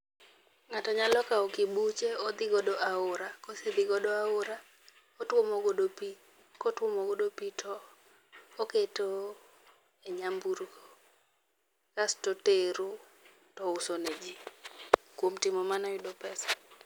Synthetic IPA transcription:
ŋatɔɲalɔkaɔkibut͡ʃeod̪ɪɡɔdoaʊɾakosɪd̪ɪɡɔdɔaʊɾa | otwomoɡodopi | kotwomoɡodopitʰɔ | oketo | eɲambuɾɡo | kastoteɾu | tɔʊsoned͡ʒi | kwomtɪmɔmanɔjʊdopɛsḁ

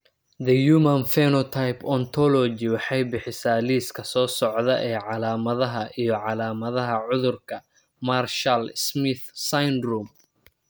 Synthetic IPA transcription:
ðɐjumɐnfɛnɔt̪ʰajpʰɔnt̪ʰɔlɔd͡ʒɪwɑħɑjbɪħɪsaːliːskʰɐsɔːsɔʕðɐʔɛːʕɑlaːmɐðɐɦɐʔijɞʕɑlaːmɐðɐɦɐʕʊðʊrkʰɐ | marʃɐlsmɪθsajnruːm

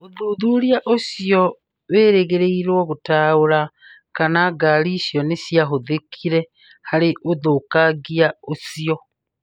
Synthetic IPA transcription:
oðuðuɾjaʔosiɔ | βeːɾeɣeɾeiɾwɔɣotaoɾa | kanaɡaɾiːsjɔnesjaɦoðekʰiɾɛ | haɾeʔoðokaɡiaosiɔ

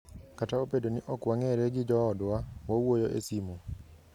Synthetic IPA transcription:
kataopedoniʔɔkwaŋɛɾɛɡɪd͡ʒɔːdwawɔwojoʔḛsimu

